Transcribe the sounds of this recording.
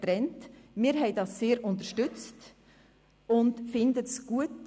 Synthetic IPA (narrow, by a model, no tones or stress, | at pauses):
tɾɛntmɪːɾɦɛɪdɑsːeːɾʔʊntəʃtʏt͡st | ʊndfɪndətsɡ̥uət